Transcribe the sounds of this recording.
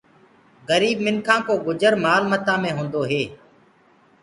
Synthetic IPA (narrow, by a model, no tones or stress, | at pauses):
ɣəɾiːbmɪnkʰãːkoːɡʊd͡ʒəɾmaːlmət̪ãːmẽːɦõːnd̪oːɦeː